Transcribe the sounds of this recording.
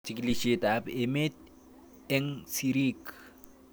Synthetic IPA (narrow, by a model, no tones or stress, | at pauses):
t͡ʃikliʃet̪apemet̪̚ | eŋsiɾik